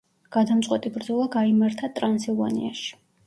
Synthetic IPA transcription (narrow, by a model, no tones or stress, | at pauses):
ɡ̥ad̪amt̪sʼqʼwɛt̪ʼibɾd̪zɔlˠaɡaimaɾt̪ʰat̪ʼɾansilˠva̰nḭa̰ʃi̥